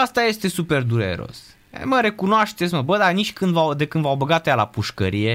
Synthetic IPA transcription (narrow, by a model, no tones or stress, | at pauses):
ast̪aje̞st̪e̞supe̞rd̪uɾḛɾo̰s | məɾe̞kunoaʃt̪et̪s̬ʲməbəd̪aniʃʲkɨnd̪vawd̪e̞kɨnd̪vawbəɡat̪jala̰puʃkə̰ɾije̞